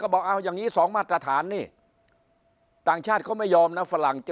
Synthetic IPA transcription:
kɔː˥˩bɔː˨˩k̚ʔaː˧˩wjaː˨˩ŋiː˦˥sɔː˩˦ŋmaː˥˩t̪̚ɾa˧t̪ʰaː˩˦nːiː˧˥˩ | t̪aː˨˩ŋt͡ɕʰaː˥˩t̪̚kʰɔː˥˩ma˥˩jɔː˧mna˦˥fa˧la˨˩ŋt͡ɕ

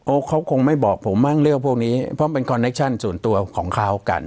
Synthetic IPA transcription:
ʔoː˧˩kʰa˦˥wkʰo˧ŋma˥˩jbɔː˨˩k̚pʰo˩˦mːa˥˩ŋɾɯ˥˩ək̚pʰu˥˩k̚niː˦˥pʰɾɔ˦˥pe˧nkʰɔ˧nːe˦˥k̚t͡ɕʰa˥˩nsu˨˩ənt̪u˧ɐkʰɔː˩˦ŋkʰa˦˥wka̰˧n

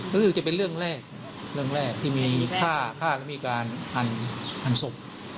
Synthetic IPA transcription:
ɯː˧˥ɯ˧˩t͡ɕa˨˩p̬e˧nɾɯ˥˩əŋɾɛː˥˩k̚ | ɾɯ˥˩əŋɾɛː˥˩k̚t̪ʰiː˥˩miː˧kʰaː˥˩kʰaː˥˩lɛ˦˥˩miː˧kaː˧nʔa˧nʔa˧nso˨˩p̚

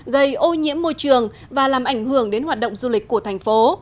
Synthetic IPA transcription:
ɣə˧˩jʔo˧ɲḭ˧˥əmːo˧jt͡ɕɨ˨˩əŋ | vaː˨˩laː˨˩mʔa˧˩jŋ̟hɨ˧˩əŋɗe˨˦nhwaː˨˩t̚ɗə̰˧˨wŋ͡mzu˧lï˨˩k̟̚ku˧˩ət̪ʰɛ˨˩jŋ̟fo˨˦

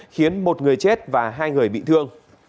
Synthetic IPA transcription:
xi˨˦ənmo˨˩t̚ŋɨ˨˩əjt͡ɕe˦˥t̚vaː˨˩ɦaː˧jŋɨ˨˩əjɓḭ˧˨t̪ʰɨ˧əŋ

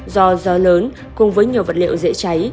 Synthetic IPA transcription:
zɔ˧zɔ˨˦ləː˨˦n | kʊ˨˩ŋ͡mvəː˨˦jɲi˨˩əwvə˨˩t̚lḭ˧˨wzḛ˧˥t͡ɕa˨˦j

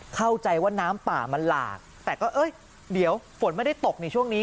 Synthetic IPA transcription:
kʰa˥˩wt͡ɕa˧jwaː˥˩naː˦˥mpa̰ː˨˩ma˧nla̰ː˨˩k̚t̪ɛː˨˩kɔː˥˩ʔɤː˧˥˩j | di˩˦əwfo˩˦nma˥˩jda˥˩jt̪o˨˩k̚na˧jt͡ɕʰu˥˩əŋniː˦˥

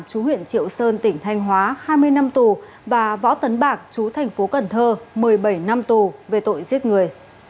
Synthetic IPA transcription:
mt͡ɕu˨˦ɦwḭ˧˨ənt͡ɕḭ˧˨əwsəː˧nt̪ï˧˩ŋ̟t̪ʰa˧jŋ̟ɦwaː˨˦haː˧jmɨ˧əjna˧mt̪u˨˩ | vaː˨˩vɔ̰˧˥t̪ə˨˦nɓaː˨˩k̚t͡ɕu˨˦t̪ʰɛ˨˩jŋ̟fo˨˦kə˨˩nt̪ʰəː˧mɨ˨˩əjɓə˧˩jna˧mt̪u˨˩ve˨˩t̪o̰˧˨jzi˦˥ət̚ŋɨ˨˩əj

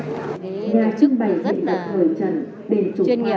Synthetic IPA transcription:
ɲaː˨˩t͡ɕɨ˧ŋɓa˨˩jzḭ˧˨nə˨˩p̚həː˧˩jt͡ɕə̰˧˨n | ɗe˨˧˩nt͡ɕʊ˨˧˦

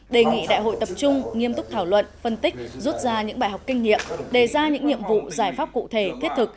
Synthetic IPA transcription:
ɗe˨˩ŋḭ˧˨ɗa̰ː˧˨jɦo̰˧˨jt̪ə˨˩p̚t͡ɕʊ˧ŋ͡mŋi˧əmt̪ʊ˦˥k͡p̚t̪ʰaː˧˩wlwə̰˧˨nfə˧nt̪ï˦˥k̚zu˦˥t̚zaː˧ɲɨ̰˧˥ŋɓaː˧˨jɦa˨˩wk͡p̚kï˧ŋ̟ŋḭ˧˨əmɗe˨˩zaː˧ɲɨ̰˧˥ŋɲḭ˧˨əmvṵ˧˨zaː˧˩jfaː˦˥p̚kṵ˧˨t̪ʰe˧˩t̪ʰi˦˥ət̚t̪ʰɨ˨˩k̚

